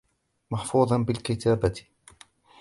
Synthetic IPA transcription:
mɑħfuːðˤɑnbɪlkɪt̪aːbat̪

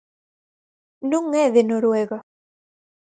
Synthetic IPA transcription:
nũŋɛðenoɾweɣa

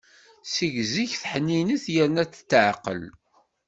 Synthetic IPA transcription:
siʝziçθħnːiniθjəɾnæt͡sːt̪ːəʕqə̰l

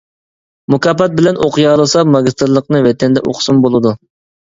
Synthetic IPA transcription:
mukʰɑːpɑt̪̚bɪlɛnʔoqɨjɑːlˠɨsɑmɑɡʲist̪ɨɾlˠːəqnɨvɛt̪ʰɛnd̪ɛʔo̰qsumbolˠɨd̪u

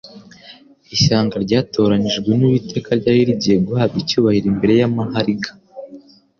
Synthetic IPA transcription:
iʃaːŋɡaɾɟaːto̞ːɾaniʒɡwe̞niβite̞ːkaɾɟaːjiɾiɟieɡuhaːbicuːβahiɾimbe̞ɾe̞jamaɦaɾiɡḁ

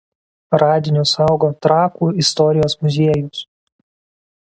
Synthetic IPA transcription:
ɾɑːd̪ʲɪnʲʊsɐˑʊɡoːt̪ɾɑːkuːɪst̪ɔɾʲɪjoːsmʊzʲiɛjʊs

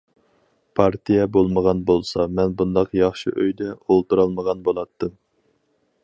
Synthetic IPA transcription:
pʰɑɾt̪ʰijɛbolˠməʁɑnbolˠsɑmɛnbund̪ɑqjɑχʃḭʔøjd̪ɛolˠt̪uɾɑlˠməʁɑnbolˠɑt̪ʰːɨm

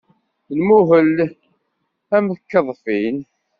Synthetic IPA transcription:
nmuɦəl | æməθkːəðˤfin

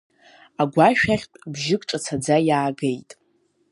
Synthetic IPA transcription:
aɡʷaʃᶣaχʲtʼbʒɪkʼʈ͡ʂʼat͡sʰad͡zajaːɡejtʼ

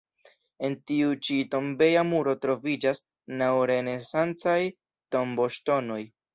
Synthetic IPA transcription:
e̞ntiut͡ʃito̞mbe̞jamuɾo̞tɾo̞vid͡ʒas | nawɾe̞ne̞sant͡saj | to̞mbo̞ʃto̞no̞j

